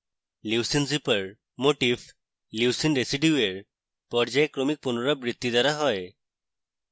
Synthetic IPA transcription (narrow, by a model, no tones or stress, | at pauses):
liwsinzipəɹ | moʈib | luwsinɾesiɖjueɹ | pɔɹd͡ʒajkɾomik̚punɔɹɔbɹit̪ːid̪aɾaɦɔj